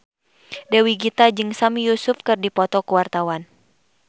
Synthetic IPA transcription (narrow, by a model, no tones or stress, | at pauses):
dɛwiɡit̪ad͡ʒɨŋsamijusufkɨrdipɔt̪ɔkəwart̪awan